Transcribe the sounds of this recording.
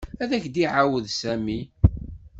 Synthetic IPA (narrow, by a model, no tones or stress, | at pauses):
æðæçd̪iʕawəðsæmi